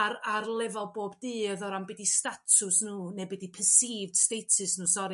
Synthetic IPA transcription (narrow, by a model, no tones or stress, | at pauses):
aɾarlˠɛvɔlˠboːbdɨːəðɔɾambɛdistatʰʊsnuːnebɛdipʰəsiːvd̥stejtʰɨsnuːsɔɾi